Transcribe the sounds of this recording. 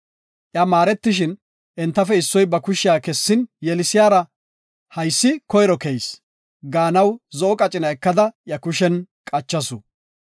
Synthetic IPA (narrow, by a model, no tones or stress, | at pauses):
ʔjamaːɾɛt̪ːɪʃ̬ɪn | ʔɛnt̪ːɐfɛɪsːɔjbɐkʊʃɪjaːkɛsːɪnjɛlɪsɪjaːɾɐ | hɐjsːɪkɔjɾɔkɛjs | ɡaːnɐwzɔʔɔkʼɐt͡ʃʼɪnɐɛkːɐd̪ɐjɐkʊʃɛnkʼɐt͡ʃːɐsʊ